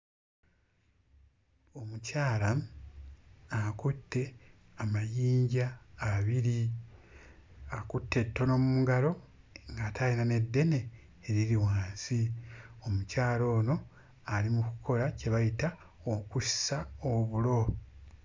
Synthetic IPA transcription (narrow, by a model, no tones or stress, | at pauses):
o̞mucaːla | akutːe̞ | amajiːɲɟaːβiɾi | akutːe̞tːo̞no̞mumuɡalo̞ | ŋɡatʰainane̞dːe̞ne̞ː | ɾiɾiwaːnsio̞mucaːlo̞ːno̞ | alimukukʰo̞ɾace̞βajita | okusi̥saoβulo̞